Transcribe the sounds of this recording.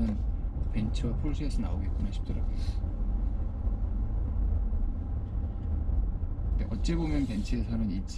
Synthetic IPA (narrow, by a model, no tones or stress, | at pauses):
ɯnpe̞nt͡ɕʰɯwapʰɾos͈ʰesʰʌna̰oɡe̞t̚k͈unaɕʰi̥p̚t͈ʌɾabu | eʔʌt̚t͡ɕ͈e̞bomjʌnpent͡ɕʰeesʰʌnɯnit͡ɕ͈